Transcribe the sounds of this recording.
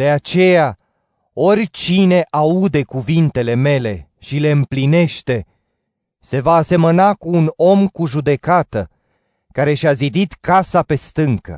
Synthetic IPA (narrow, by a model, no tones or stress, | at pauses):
d̪̥e̞at͡ʃe̞ja | o̞rʲt͡ʃine̞ʔaud̪e̞kuvint̪e̞le̞me̞le̞ | ʃile̞ɨmpline̞ʃt̪e̞ | se̞vaːse̞mənakuːno̞mkuʒud̪e̞kat̪ə | kaɾe̞ʃʲazid̪it̪kasape̞st̪ɨŋkə̰